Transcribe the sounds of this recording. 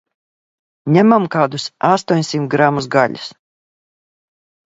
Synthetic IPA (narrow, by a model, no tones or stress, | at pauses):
ɲʲæmamkaːd̪usast̪uɔɲʲsimt̪ɡɾamːusɡaʎʲus